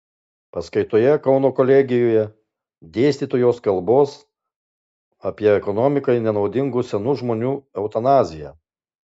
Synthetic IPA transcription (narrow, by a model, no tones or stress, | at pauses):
pɐskɐɪt̪oːjɛkɒʊnoːkɔlʲɛɡʲɪjoːjɛ | d̪ʲeːsʲt̪ʲiːt̪oːjoːskɐlˠboːs | ɐpʲiɛɛkɔnɔmʲɪkɐɪnʲɛnɒʊd̪ʲɪŋɡusʲɛnuːʒmoːnʲuːɛʊt̪ɐnɑːzʲɪjæ̰